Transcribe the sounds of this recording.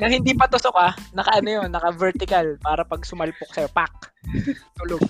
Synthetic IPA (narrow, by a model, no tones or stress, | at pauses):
nɐŋhɪnd̪ipɐt̪ʊsokanɐkɐʔɐnojonːɐkɐvɛɾt̪ɪkalpaːɾɐpɐɡ̚sʊmɐlpok̚sɐjo̞pak̚t̪ʊloɡ̚